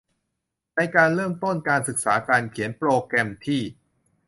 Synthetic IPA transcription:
na˧jkaː˧nɾɤː˥˩mt̪o˥˩nkaː˧nsɯ˨˩k̚sa̰ː˩˦kaː˧nkʰi˩˦ənpɾoː˧kɾɛ˧mt̪ʰiː˥˩

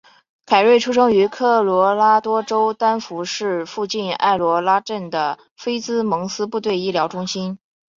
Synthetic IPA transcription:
kʰa˨˩ɪɻwe˥˩ɪʈ͡ʂʰu˥ʂ̬ɤ˥ŋy˧˥kʰɤ˥˩lwɔ˧˥la˥t̪wɔ˥ʈ͡ʂo˥ʊt̪a˥nfu˧˥ʂɻ̩˥˧fu˥˧t͡ɕi˥˧na̰˥˩ɪlwɔ˧˥la˥ʈ͡ʂə˥˩nd̪ə˩ | fe˥ɪt͡sɹ̩˥mɤ˧˥ŋsɹ̩˥pu˥˧t̪̬we˥˧ɪi˥˩ljɑ˧˥ʊʈ͡ʂʊ˥ŋɕi˥n

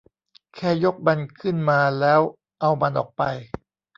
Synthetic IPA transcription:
kʰɛː˥˩jo˦˥k̚ba˧nkʰɯ˥˩nmaː˧lɛː˦˥w | ʔa˧wma˧nʔɔ̰ː˨˩k̚pa̰˧j

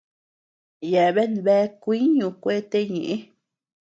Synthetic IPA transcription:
je˨βe˦nβe˧˦kʷi˦ɲũ˧kʷe˦t̪e˦ɲĩ˨ʔĩ˦

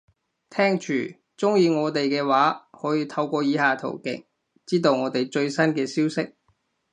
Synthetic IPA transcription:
t̪ʰɛː˥ŋt͡ʃʰyː˨˩ | t͡sʊ˥ŋjiː˧ŋɔː˨˧t̪e˨jkɛː˧waː˨˥hɔː˨˥jiː˧t̪ʰɐ˧wkʷɔː˧jiː˨˧haː˨t̪ʰo̰˨˩wkɪ̰˨˥ŋ | t͡siː˥t̪̬o˧wŋɔː˨˧t̪e˨jt͡ʃɵ˧ɥsɐ˥nkɛː˧siː˥wsɪ˥k̚

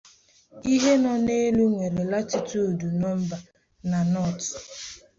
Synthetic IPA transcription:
i˦ɦe˦nɔ˦ne˦lu˦ŋʷe˨ɾe˨la˦t͡ʃi˨tu˦˨du˨nɔ˦m̩˦ba˨ | na˨nɔ˦˨t

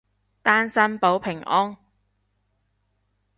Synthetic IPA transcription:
t̪aː˥nsɐ˥npo˨˥wpʰɪ˨˩ŋʔɔː˥ŋ

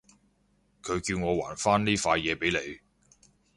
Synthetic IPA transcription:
kʰɵ˨˧ɥkiː˧wŋɔː˨˧wa̰ː˨˩nfaː˥nliː˥faː˧jjɛː˨˧pe˨˥jle˨˧j

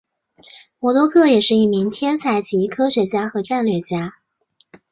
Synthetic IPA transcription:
mwɔ˧˥t̪wɔ˥kʰɤ˥˩jɛ˨˩ʂɻ̩˥˧i˥˩mi˧˥ŋt̪ʰjɛ˥nt͡sʰa˧˩ɪt͡ɕi˧˥kʰɤ˥ʂe˧˥t͡ɕja˥xɤ˧˥ʈ͡ʂa˥˧nlɥɛ˥˩t͡ɕja˥

